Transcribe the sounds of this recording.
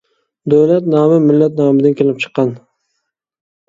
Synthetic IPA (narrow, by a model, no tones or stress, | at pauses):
d̪owlat̪nɑːmɪmɪlːat̪̚nɑːmɪd̪ɪnkʲʰelɪp̚t͡ʃʰɨ̥qːɑn